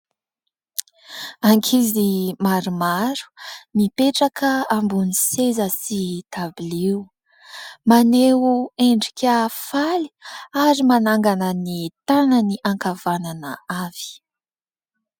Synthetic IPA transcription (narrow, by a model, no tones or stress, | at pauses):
aŋkʰizimaɾumaɾu̥mipeʈ͡ʂakəambunisezəsit̪abiliw | maneueɳɖ͡ʐikʲafali̥aɾimanaŋɡanənit̪anəniʔaŋkavananəav̥i̥